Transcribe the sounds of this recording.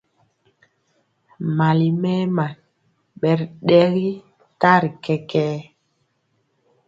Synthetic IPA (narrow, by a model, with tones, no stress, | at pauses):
ma˨li˨mɛ˦ma˨n | ɓɛ˨ɾɗɛ˦ɣi˦ | ta˦ɾi˨kɛ˦kɛː˦